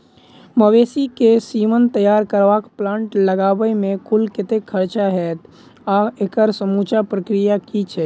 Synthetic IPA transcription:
məʋesikesimənt̪əjaɾkəɾʋakplãɳʈləɡabəmẽkulket̪ekʰːəɾt͡ʃaɦɛt̪ | aekəɾsəmut͡ʃapɾəkɾijakit͡ʃʰɛ

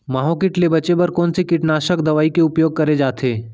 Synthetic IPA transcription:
maːɦõkɪʈlebɐt͡ʃepɐɾkɔːnsekɪʈnaːʃəkd̪ɐʋaːikeʊpjoːɡ̚kɐɾed͡ʒaːt̪ʰeː

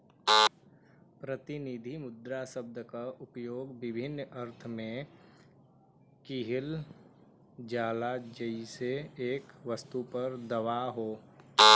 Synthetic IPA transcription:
pɾət̪ɪnid̪ʱimʊd̪ɾasəb̚d̪əkaʔʊpjoːɡbɪbʱɪnːəɾt̪ʰmẽ | kɪɦɪl | d͡ʒaːlad͡ʒəiseeːkʋəst̪upəɾd̪əʋaɦoː

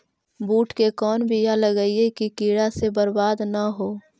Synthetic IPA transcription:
buːʈʰkekɔːnbʱijaləɡəiekikiːɽasebəɾbaːd̪naɦoː

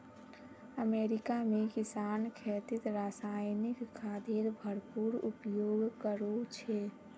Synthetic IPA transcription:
əmeɾikamekɪsaːnkʰet̪ɪt̪ɾasajnɪkʰːaːd̪iɾbʱəɾpuɾupjoːɡkəɾot͡ʃʰɛ

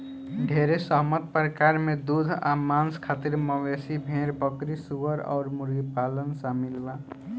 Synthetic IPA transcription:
ɖʱeːɾesəɦmət̪̚pɾəkaːɾmẽd̪ud̪ʱa̰ːmaːnskʰaːt̪iɾməʋesibʱẽːɾbəkɾisuʋəɾɔ̰ːɾmʊɾɡipaːlənsamɪlba

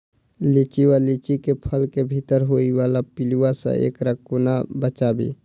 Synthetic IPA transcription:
lit͡ʃiwalit͡ʃikepʰəlkebʱit̪əɾɦoiwalapiluasə̰̃ʔḛːkɾəkonabət͡ʃabḭ

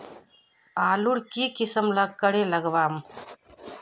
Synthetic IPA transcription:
aːluɽkiːkɪsəmlɐɡ̚kːɐɽeːlɐɡʋaːm

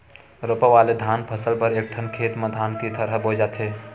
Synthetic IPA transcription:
ɾoːpəʋaːled̪ʱaːnpʰəsəlpəɾek̚ʈʰənkʰeːt̪mẽd̪ʱaːnt̪it̪ʰəɾɦəboːd͡ʒat̪ʰɦeː

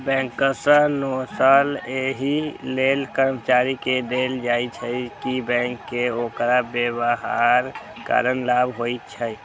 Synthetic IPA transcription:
bɛ̃ːŋkəsə̃nosaleɦilelkəɾmət͡ʃaɾiked̪eld͡ʒait͡ʃʰəkibɛ̃ːŋkːeoːkɾabebəɦaɾ | ka̰ːɾənlabɦoit͡ʃʰə

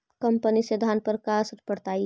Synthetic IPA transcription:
kəmpənised̪ʱanpəɾkasəɾpəɽt̪aːi

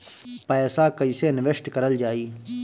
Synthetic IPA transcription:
pajsaːkɐisenɪʋeʂʈkɐɾəld͡ʒaːiː

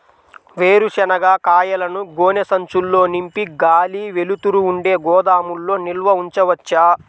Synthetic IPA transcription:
ʋeːɾuʃɛnɐɡaːkaːjɐlɐnuɡoːnesɐɲt͡ʃulːo̞ːnimpiɡaːliːʋe̞lut̪uɾuːɳɖe̞ːɡɔːd̪aːmulːo̞ːnilʋɐuɲt͡ʃɐʋɐt͡ʃːaː

